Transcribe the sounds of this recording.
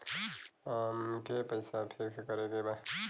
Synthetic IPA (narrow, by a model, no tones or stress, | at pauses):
mkepəɪsapʰeksekʌɾekeba